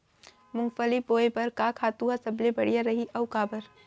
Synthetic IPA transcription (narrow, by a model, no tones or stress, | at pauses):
mʊ̃ŋɡfəlipːoːepɐɾkaːkʰaːt̪uɦasɐblebɐɽijaɾɐɦiʔɐʊkaːbɐɾ